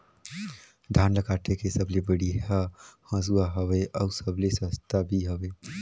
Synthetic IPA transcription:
d̪ʱaːnləkaːʈ̪ʰekesəblebəɽiahə̃suaɦəweʔɔʊsəblesə̃st̪abʱiɦəweː

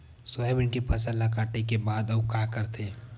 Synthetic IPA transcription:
sɔɛbɪɳkepʰɐsəlːakaːʈekebaːd̪ɐkakəɾt̪ʰeː

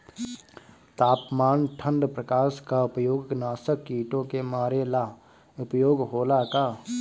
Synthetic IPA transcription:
t̪aːpmaːnʈʰə̃nɖ̪pɾəkaːʃkaʊpjoːɡnaːsəkːiːʈõkemaːɾela | ʊpjoːɡɦoːlaka

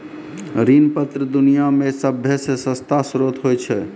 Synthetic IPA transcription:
ɾinpət̪ɾəd̪unijamesəbʱjəsesə̃st̪ʰasɾot̪ɦojt͡ʃʰɛ

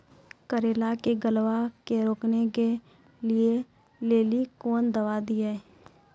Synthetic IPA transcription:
kəɾeːlakeɡəlʋakeɾoːkneke | lie | leːlikoːnd̪əʋad̪ie

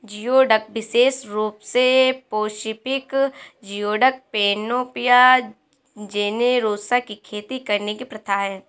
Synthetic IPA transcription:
d͡ʒijoːɖək̚bɪseːʃɾuːpsepoːʃɪpɪkd͡ʒijoːɖək̚peːnoːpɪja | d͡ʒeːneɾoːsakikʰeːt̪ikɐɾnekipɾɐt̪ʰaɦɛː

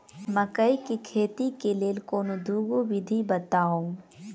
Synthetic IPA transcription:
mɐkɐikikʰeːt̪ikeleːlkoːnod̪ʱuːɡoʋɪd̪ʱibɐt̪aːõ

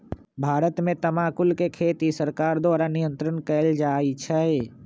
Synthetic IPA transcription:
bʱaːɾət̪mẽt̪əmaːkʊlkekʰeːt̪isəɾkaːɾd̪oːɾanijə̃nt̪ɾənkɛːld͡ʒaːit͡ʃʰɛe

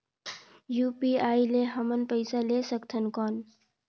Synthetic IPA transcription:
juːpiaːileɦəmənpəɪsalesəkt̪ʰənkɔːn

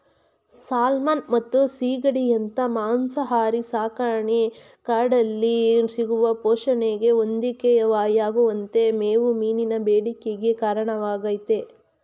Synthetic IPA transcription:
saːlmaːnmɐt̪ːusiːɡɐɽijɐnt̪ɐmaːnsɐɦaːɾisaːkaːɳi | kaːɖɐlːisiɡuʋɐpoːʃɐneɡe̞ond̪ikejɐʋaːjaːɡuʋɐnt̪e̞meːʋumiːninɐbeːɽikeɡe̞kaːɾɐɳɐʋaːɡɐjt̪e

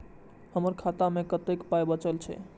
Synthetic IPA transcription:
həməɾkʰat̪amekət̪ekpajbət͡ʃəlt͡ʃʰɛ̰

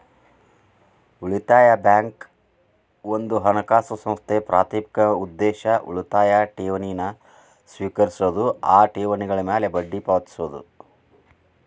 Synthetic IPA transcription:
uɭit̪aːjɐbjaːŋk | ond̪uɦɐnɐkaːsɐsɐ̃mst̪ʰepɾaːt̪iːpi̥kɐud̪ːeːʃɐʔṵɭit̪aːjaʈiːʋɐnijnɐ | sʋiːkɐɾisud̪uaːʈeːʋɐniɡɐɭɐmeːlebɐɖːipaʋɐt̪i̥suʋd̪ṵ

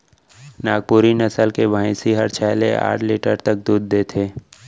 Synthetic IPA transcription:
naːɡ̚puːɾinəsəlkebʱaːĩsiɦəɾt͡ʃʰɛːlḛa̰ːʈʰliːʈəɾt̪ək̚d̪uːd̪ːeːt̪ʰeː

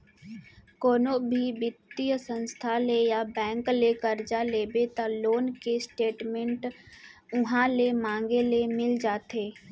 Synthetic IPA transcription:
koːnobʱibɪt̪ːijsə̃nst̪ʰalejabɛ̃ːŋkleːkəɾd͡ʒaleːbet̪aloːnkesʈeːʈmẽɳʈ | ʊɦãlemãːŋɡelemɪld͡ʒaːt̪eː

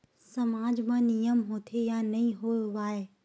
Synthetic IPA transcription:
sɐmaːd͡ʑmãːnijəmɦoːt̪ʰejanɐĩɦoːjoaːɦe

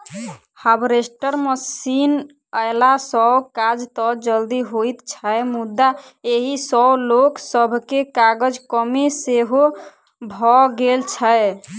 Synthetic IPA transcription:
həbɾesʈəɾməsin | əɪlasɔkad͡ʒt̪ɔd͡ʒəld̪iɦoit̪t͡ʃʰəemud̪ːa | eɦisɔloksəbʱkekaɡəd͡ʒkəmeseɦo | bʱɔɡelt͡ʃʰəe

